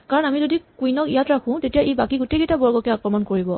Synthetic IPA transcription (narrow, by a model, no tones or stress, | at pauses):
kaɹɔnamizodikujnɔkijatɹakʰʊ̃tetijaʔejbakiɡuteketabɔɹɡɔkɛakɹɔmɔnkoɹibɔ